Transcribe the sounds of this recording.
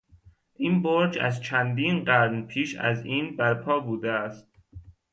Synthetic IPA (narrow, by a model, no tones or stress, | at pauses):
ʔiːnboɾd͡ʒæ̰zt͡ʃʰænd̪iːnɢæɾnpʰiːʃæ̰ziːnbæɾpʰɒːbuːd̪eæst̪